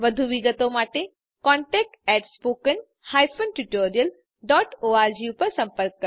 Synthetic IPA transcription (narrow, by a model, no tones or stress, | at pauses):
ʋəd̪ʱuʋiɡət̪omaʈe | kɔɳʈɛk̚ʈɛʈspokən | hajfʰonʈuʈoɾijəl | ɖɔʈʰoaɾd͡ʑiupəɾsəmpəɾkːə